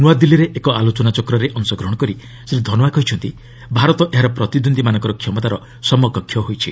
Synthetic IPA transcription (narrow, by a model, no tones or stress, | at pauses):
nuwad̪ilːiɾeʔekɔalot͡ʃɔnat͡ʃɔkɾɔɾeʔɔnsɔɡɾɔɦɽ̃ɔkɔɾi | sɾid̪ʱɔnɔakɔɦit͡ʃʰɔnt̪i | bʱaɾɔt̪ɔʔeɦaɾɔpɾɔt̪id̪und̪ʱimanɔ̃ŋkɔɾɔkʰjɔmɔt̪aɾɔ | sɔmɔkɔkʰːjɔɦojt͡ʃʰi